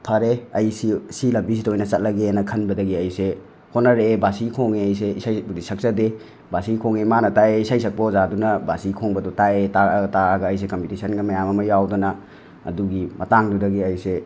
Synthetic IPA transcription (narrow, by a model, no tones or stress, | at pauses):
pʰɐɾeɐjsisilɐbis̬idojnɐt͡ʃɐt̚lɐɡenɐkʰɐnbɐdɐɡiɐjse | kʰonɐɾebasiɡikʰoŋeɐjs̬eisajbudisʰɐk̚sɐde | basiɡikʰoŋemanɐtaeisajsɐk̚pɐozadunɐbasiikʰoŋbɐdutaetataaɡɐːjs̬ekɐmpitisɐnɡɐmɐjamɐmɐjawdunɐ | ɐ̰duɡimɐtaŋdudɐɡiɐjse